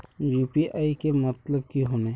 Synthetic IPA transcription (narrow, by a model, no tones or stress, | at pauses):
d͡ʒiːpiʔaːikemɐt̪ləb̚kiɦonẽː